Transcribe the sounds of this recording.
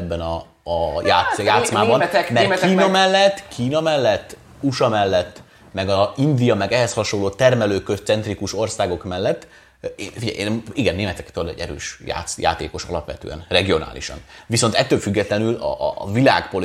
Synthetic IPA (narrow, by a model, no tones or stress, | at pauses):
bːɛnɒ | jaːjaːtsmaːbɒnmɛrkiːnɒmɛlːɛt̪ːkʰiːnɒmɛlːɛt̪ː | uʃɒmɛlːɛt̪ː | mɛɡɒind̪ijɒmɛɡɛɦɛshɒʃo̞loːt̪ɛrmɛløːkøst̪sɛnt̪rikuʃo̞rsaːɡo̞kmɛlːɛt̪ː | efiɟɛ̰jniɡɛnːeːmɛt̪ɛkt̪ølɛ̰ɟɛ̰ɾø̰ːʃja̰ːt̪ja̰ːt̪ḛːko̞ʃɒ̰lɒpʋɛ̰t̪ø̰ːɛ̰nrɛɡio̞na̰ːlḭʃɒ̰nviso̞nt̪ɛt̪ːøːlfyɡːɛt̪lɛnylɒ̰vila̰ːkpo̞l